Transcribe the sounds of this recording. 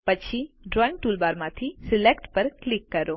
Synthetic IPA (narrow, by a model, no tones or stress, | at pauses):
pɐt͡ʃʰiɖɾɔːɪ̃ŋɡʈuːlbaːɾmãt̪ʰisɪlekʈpɐɾklɪkːɐɾoː